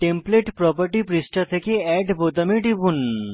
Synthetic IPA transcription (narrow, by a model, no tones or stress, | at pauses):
ʈempleʈpɾɔpaɾʈipɾisʈat̪ʰekeɛɖbot̪amiɖibun